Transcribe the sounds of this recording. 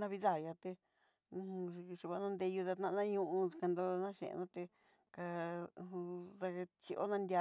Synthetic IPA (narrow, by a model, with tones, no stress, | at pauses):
nã˧βi˧ða˦˨ja˧t̪ẽ˧ | ʃu˧˨βa˧nã˧nd̪e˧ju˧ða˧t̪nã˧nã˦ɲũ˧ʔũ˧ka˧nd̪o˧nã˦ʃḛ̃˨˧nã˦t̪e˧ | kã˧ | ða˧t͡ʃi˧ʔo̰˦nã˧nd̪ʲa˧